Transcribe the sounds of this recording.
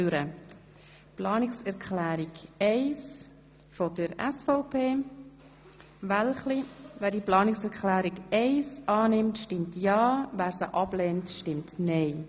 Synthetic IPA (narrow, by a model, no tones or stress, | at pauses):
yɾə | plɑːnɪksɛɾkχlæːɾiɡɛɪs | fodəɾɛsfɔʊpʰeː | vɛlχlivæːɾdiplɑːnɪksɛɾkʰχlæːɾikɛɪsʔɑːnɪmtʃtɪmtjɑːvæːɾsəʔɑb̥lɛntʃtɪmtnɛɪ